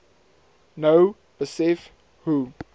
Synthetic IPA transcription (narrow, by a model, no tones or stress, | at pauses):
noʊ | b̥əsɛf | hu